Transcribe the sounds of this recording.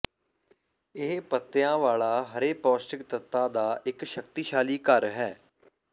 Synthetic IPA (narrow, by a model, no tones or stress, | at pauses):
ɪɦpət̪ːjãːʋaːlaːɦəɾeːpɔːsʈɪk̚t̪ət̪ːãːd̪aːɪkʃək̚t̪iːʃaːliːkəɾɦɛː